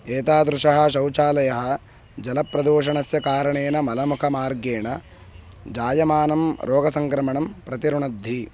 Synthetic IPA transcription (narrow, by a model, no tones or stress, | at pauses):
eːt̪aːd̪ɾuʂɐɦɐ̆ʃɐwt͡ʃaːlɐjɐɦɐ̆ | d͡ʒɐlɐpɾɐd̪oːʃɐɳɐsjɐkaːɾɐɳeːnɐmɐlɐmukʰɐmaːɾɡeːɳɐ | d͡ʒaːjɐmaːnɐmɾʔoːɡɐsɐŋkɾɐmɐɳɐmpɾɐt̪iɾuɳɐd̪ʱːi